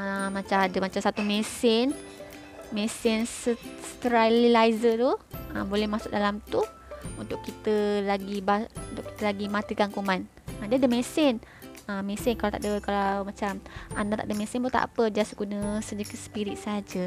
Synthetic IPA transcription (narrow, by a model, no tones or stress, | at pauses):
əmat͡ʃamadəmat͡ʃamsat̪umesɪn | mesɪnsəst̪ɾalilaizət̪uəbolɛhmasʊk̚dalamt̪u | unt̪ʊʔkːit̪əlaɡibaunt̪ʊkːi̥t̪əlaɡimat̪ikankuman | adədəmesɪn | əmesɪnkalawt̪a̰ʔdəkalawmat͡ʃamandat̪a̰ʔdəmesɪnbot̪a̰ʔpəd͡ʒasəkunəsəd͡ʒəkəsə̥piɾit̪̚sad͡ʒə